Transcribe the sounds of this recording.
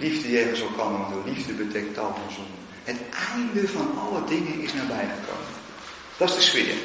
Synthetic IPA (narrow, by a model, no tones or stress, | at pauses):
livdəjɛːɣəsɔlˠkʰɔnərəndoːlivdəbətʰɛk̚tɔlˠmɔnzonə | hətʔaːndəfɔnɔlˠədɪŋənɪsnaːbɛjχəkʰo̰ːmə̰n | d̥ɔsdəsʋɪ̰ːər